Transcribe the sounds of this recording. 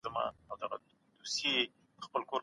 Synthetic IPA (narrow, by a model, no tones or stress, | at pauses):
əma̰awd̪aɣa̰ | d̪osje̥ | əxpəlkoɾ